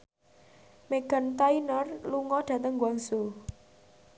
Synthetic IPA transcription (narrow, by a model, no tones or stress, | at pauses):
meɡ̥a̤nt̪ainɔrluŋɔɖ̥a̤t̪əŋɡwaŋso